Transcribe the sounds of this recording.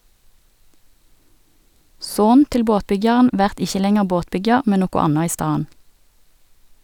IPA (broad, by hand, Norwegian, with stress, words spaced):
ˈsoːn ˈtɪl ˈboːtˌbʏɡjɑʁn ˈʋæʁt ˈɪçə ˈlɛŋəʁ ˈboːtˌbʏɡjɑʁ ˈmɛn ˈnoːkɔ ˈɑnɑ ˈiː ˈstɑːən